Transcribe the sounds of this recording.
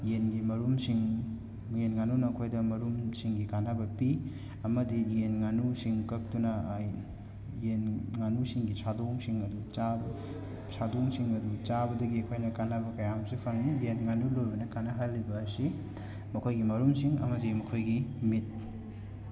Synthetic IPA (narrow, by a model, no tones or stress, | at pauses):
jenɡimɐɾumsiŋ | jenŋanunɐkʰojdɐmɐɾumsiŋɡikanabɐpi | ɐmɐdijenŋanusiŋkɐk̚tunɐ | enŋanusiŋɡisadoŋsiŋɐdut͡ʃabɐ | sadoŋsiŋɐdut͡ʃabɐdɐɡiɐkʰojnɐkanabɐkɐjamsipʰɐŋnijenŋanulojbɐnɐkanɐɦalːibɐɐsi | mɐkʰojɡimɐɾumsiŋɐ̰mɐdimɐkʰojɡimit̚